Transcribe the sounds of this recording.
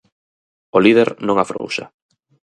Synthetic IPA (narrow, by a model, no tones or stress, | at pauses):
olið̞eɾnõŋafɾo̰wʃa̰